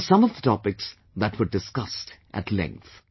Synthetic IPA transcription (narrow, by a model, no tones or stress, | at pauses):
sʌ̃mɔvd̪ətɑpɪks | ðæʈwəɾɖɪskʌstʔæ̰ʈʰlɛ̰̃ŋk̚θ